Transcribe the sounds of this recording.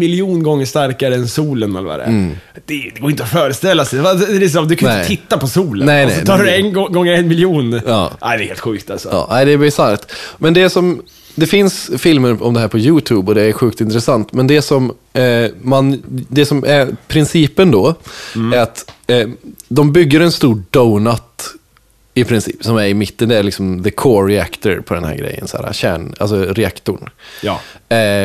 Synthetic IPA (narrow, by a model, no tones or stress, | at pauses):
mɪljuːnɡɔŋːəʂt̪aɾkaɾəɛnsuːlənɛ̰lɾə̰a̰ɾɛ̰d̪ɛd̪ɛɡoːɪnt̪əɔfœːɾəst̪ɛlːasɛaɛɛsɔmd̪ɵkʰannɛɪɪt̪ːapɔsuːlənɛɪnɛ̰sɔɑːɖɵɛnɔɡɔŋːəɾɛnmɪljuːnɑ̰ːʔæ̰ɪd̪ɛːheːlt̪ɧʉ̟ːkt̪a̰lsɔɑ̰ːæɪd̪ɛːbɪsaɾkt̪mɛnd̪ɛsɔm | d̪ɛfɪnsfɪlməɾɔmd̪ɛɦæːɾpʰɔjʉːt̪ʰʉːbɔd̪ɛæɾɧʉkt̪ɪnt̪ɾɛsant̪mɛnd̪ɛsɔmː | and̪ɛsɔmʔæɾpʰɾɪnsiːpənd̪ɔæɾat̪ː | d̪ɔmbʏɡːəɾɛnst̪uːɖɔʊnat̪ | ɪpʰɾɪnsḭːpsɔmæɾɪmɪt̪ːənd̪ɛːɭɪksɔmðəkʰoːɾɪæ̰kt̪əɾpʰɔd̪ɛnhæ̰ɾɡɾɛ̰jːə̰nsæ̰ːɾa̰ɕæ̰ːɳa̰lsɔɾɛakt̪ʊɳː